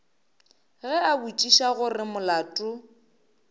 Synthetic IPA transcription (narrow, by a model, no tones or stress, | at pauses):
ɣɛabut͡ʃʼiʃaɣʊrɪmʊlaːtʼʊ